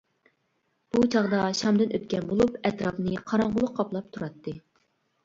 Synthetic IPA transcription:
b̥ut͡ʃʰɑʁd̪ɑʃɑmd̪ɨnʔøt̪̚kʲɛnbolˠupɛt̪ɾɑpnɨqʰɑɾɑɴʁʊlˠʊqʰːɑplˠɑp̚t̪ʰuɾɑt̪ːɨ

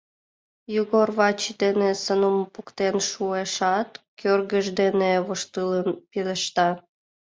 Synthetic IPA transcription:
juɣorβɑt͡ɕid̪enesənumpukt̪enʃueʃɑt̪kʰørɣəʒd̪eneβoʃt̪ɨlənpiləʃt̪ɑ

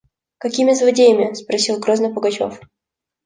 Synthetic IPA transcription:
kɐkʲimʲɪzvɐdʲejəmʲɪspɾɐsʲilˠɡɾoznəpəɡɐt͡ɕo̰f

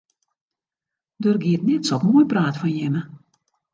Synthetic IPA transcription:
dørɡiətnɛtsɔpmuəjpraːtfɔnjɪmə

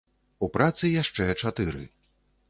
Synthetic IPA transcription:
upɾat̪sɨjaʂt͡ʂɛt͡ʂat̪ɨɾɨ̰

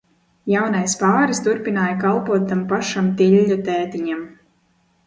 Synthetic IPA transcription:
jawnajspaːɾist̪uɾpinaːjkalˠpuɔt̪̚ːampaʃamt̪iʎʲːut̪ɛːt̪iɲam

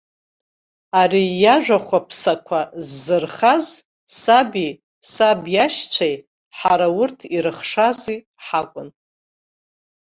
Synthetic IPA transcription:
arijaʒʷᶣaχʷapʰsakʷʰazːɨrχaz | sabi | sabjaʃt͡ɕʷʰaj | ħaɾaʊrtʰiɾɨχʂazi | ħakʷʼʊn

